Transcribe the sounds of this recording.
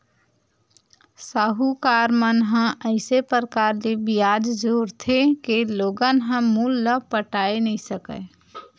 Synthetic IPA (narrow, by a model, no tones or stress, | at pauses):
saɦukaːɾmənɦə̃əɪsepəɾəkaːɾlebijaːd͡ʒd͡ʒuːɾt̪ʰekeloːɡənɦə̃muːlːəpəʈaːenəĩsəkə̰